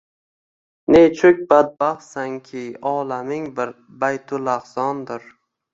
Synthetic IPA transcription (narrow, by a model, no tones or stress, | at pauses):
nejt͡ʃʰʊk̚ʲbad̪̚baχsaŋkʲʰɪɒːlamɪŋbɪɾ | bajt̪ʰʊlaχsɒnd̪ɪɾ